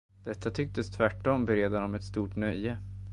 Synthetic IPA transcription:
d̪̥ɛt̪ːat̪ʰʏk̚t̪əst̪ʰvæʈːɔmbɛɾeːd̪anɔmɛt̪st̪uːʈnœjːə

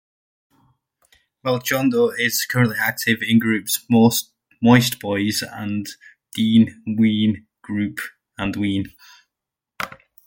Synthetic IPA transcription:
wɛlˠd͡ʒɔ̃ndoɪz̥kʰəɹə̃nʔliak̚tʰɪvɪ̃nɡɹʉˑpso | mɔɪstb̥ɔɪzə̰̃n | d̥ĩːnwĩːn | ɡ̥ɹʉˑp | ə̃nwĩːn

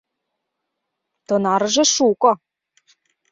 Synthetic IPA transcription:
t̪ɤ̆nɑɾɤʒĕʃukɤ̆

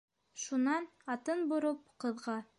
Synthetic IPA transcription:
ʃunɑnɑt̪ɤnbŏɾop̚qɤ̆ðʁɑ

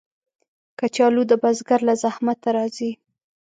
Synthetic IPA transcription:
kat͡ʃɑlud̪əbazɡaɾlazahmat̪ːaɾɑzi

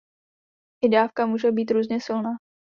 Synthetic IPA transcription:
ʔɪdaːfkamuːʒɛbiːt̪ɾuːzɲɛsɪlnaː

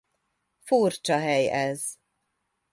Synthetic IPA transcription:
furt͡ʃɒɦɛjɛz̥

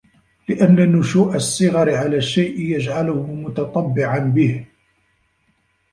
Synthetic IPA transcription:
lɪʔanːanːʊʃuːʔasˤːɨɣɑɾɪʕalaːʃːajʔɪjad͡ʒʕalʊhʊmʊt̪ɑt̪ˤɑbːɪʕanbɪh

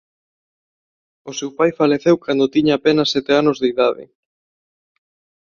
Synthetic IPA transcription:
ʊsewpajfaleθewkand̪ot̪iɲaːpenɐsːɛt̪eanozðeiðaðɪ̰

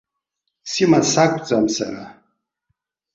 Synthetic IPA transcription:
simasakʷʰʼt͡sʼamsa̰ɾa

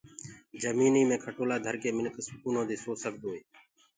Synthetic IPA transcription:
d͡ʒəmiːniːmẽːkʰəʈoːlaːd̪ʱəɾkeːmɪnksʊkuːnõːd̪eːsoːsəɡ̚d̪oːɦeː

